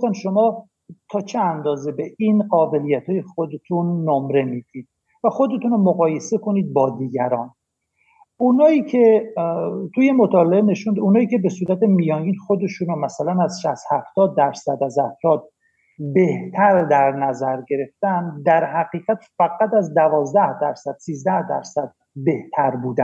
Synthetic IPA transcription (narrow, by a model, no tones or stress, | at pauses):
ost̪ænʃo̞mɒː | t̪ʰɒːt͡ʃʰeænd̪ɒːze̞beʔinɢɒːbe̞lijæt̪ʰɒːje̞xod̪et̪ʰunːomɾe̞miːd̪̥iːd̪̥ | væxo̞d̪e̞t̪ʰuːnomoɣɒːje̞se̞kʰo̞niːd̪̚bɒːd̪iːɟæɾɒːn | unɒːiːcʰe | t̪ʰujemot̪ʰɒːleeneʃund̪uːnɒːiːcʲʰe̞be̞suːɾæt̪ʰemijɒːnɡiːnxod̪e̞ʃuːnomæsælænæzʃæst̪hæft̪ɒːd̪ːæɾsæd̪æzhæft̪ɒːd̪̚ | be̞ht̪ʰæɾd̪æɾnæzæɾɟe̞ɾe̞ft̪ænd̪æɾhæɣiːɣæt̪fæɡæt̪æzd̪ævɒːzd̪æhd̪æɾsæd̪̥siːzd̪æhd̪æ̰ɾsæd̪̥̚ | be̞ht̪ʰæɾbuːd̪æ̰n